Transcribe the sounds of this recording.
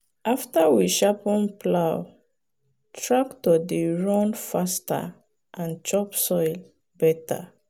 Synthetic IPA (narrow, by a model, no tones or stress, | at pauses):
aftawiʃapɔ̃npʰlaʊ | tʰɹaktɔdiɹɔ̃nfasta̰ | ʔãnt͡ʃɔpsɔjl | bɛta̰